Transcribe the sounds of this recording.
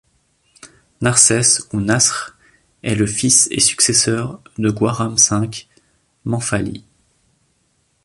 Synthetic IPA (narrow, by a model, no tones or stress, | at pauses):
naʁsɛsunasχ | ɛləfisḛsy̥ksesœʁd̪əɡwaʁamsɛ̃k | mɑ̃falḭ